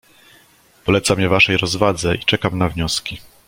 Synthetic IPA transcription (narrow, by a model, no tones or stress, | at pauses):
pɔlɛt̪samʲjɛvaʂɛjɾɔzvad̪zɛʔit͡ʂɛkamnavɲɔskʲi